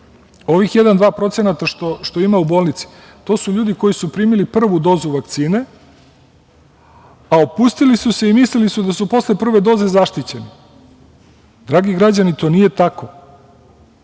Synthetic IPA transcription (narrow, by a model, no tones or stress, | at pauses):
o̞ʋixjed̪and̪ʋaːpɾo̞t̪se̞nat̪aʃt̪oʃt̪o̞imaubo̞ːlˠnit̪si̥ | t̪o̞ːsuʎuːd̪iko̞jisupɾiːmilipr̩ʋud̪o̞ːzuʋakt̪siːne̞ | aopust̪ilisuse̞imislilisud̪asupo̞slepr̩ʋe̞d̪o̞ːze̞zaʃt̪it͡ɕe̞ni | d̪ɾaːɡiɡɾad͡ʑanit̪o̞ːnije̞t̪ako̞